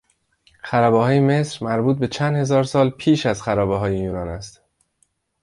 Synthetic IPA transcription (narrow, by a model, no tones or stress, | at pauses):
xæɾɒːbɒhɒːjeme̞sɾmæɾbuːt̪̚be̞t͡ʃʰænd̪he̞zɒːɾsɒːlpʰiːʃæzxæɾɒːbeɦɒːjejuːnɒːnæst̪